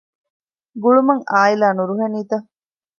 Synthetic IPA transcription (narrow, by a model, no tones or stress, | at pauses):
ɡuɭumɐŋaːilaːnuɾuɦɐniːt̪ɐ